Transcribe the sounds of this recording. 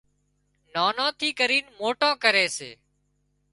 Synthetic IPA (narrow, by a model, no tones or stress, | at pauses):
naːnãːt̪ʰiːkəɾiːnmoːʈõːkəɾeːsḛː